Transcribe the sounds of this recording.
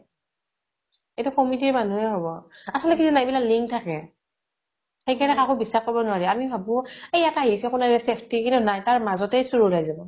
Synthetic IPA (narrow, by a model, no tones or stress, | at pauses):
ejtukɔmit̬iɹmanuɦɛɦobɔasɔltɛkitunajbilakliŋk̚tʰakɛ | xejkɛnɛkakobisːaxkobɔnʊaɹiamibʱabʊ̃ejɛtaɦisɛkunaɛsepʰtikintunajtaɹmazɔtɛjsuɹulajzabɔ